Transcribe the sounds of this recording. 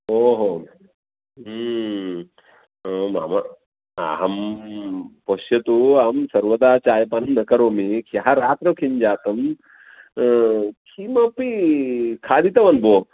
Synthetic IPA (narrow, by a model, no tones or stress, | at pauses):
oɦo | ma̰ːmɐ | a̰ɦɐm | poʃjɐt̪uaɐmsɐɾʋɐd̪aːt͡ʃaːjɐpanɐmnɐkɐɾoːmikʰjɐɦaɾaːt̪ɾɐkʰiɲd͡ʒaːt̪ɐm | kʰimɐpikʰaːd̪it̪ɐʋɐnboː